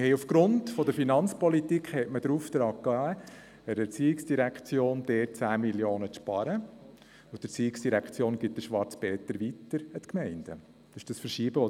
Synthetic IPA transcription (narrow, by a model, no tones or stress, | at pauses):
hɛjufɡ̥ɾʊntfɔd̪əɾfinɑnt͡spɔlitikχhɛtməd̥̪ɾuːft̪ɾɑːkːɑ | əɾɛɾt͡siːɪksd̥iɾækχt͡sjoːnd̥̪ɛːtt͡sæːmiljoːnət͡sʃpɑɾə | ʊt̪ət͡siːɪksd̥iɾækχt͡sjoːnɡ̥ɪt̚dəʃʋɑɾt͡sb̥ɛːt̪əɾʋitəɾət̪kmɛɪnd̥ə̰ | d̥ɑʃd̥ɑsfəɾʃiːbəʋɔ